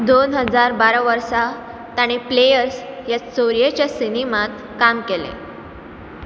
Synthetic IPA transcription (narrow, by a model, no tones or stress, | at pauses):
d̪onɦəd͡zaɾbaɾʋəɾsa | t̪aɽ̃eplejəɾsjasoɾijet͡ɕjasinemat̪ | kamkelḛ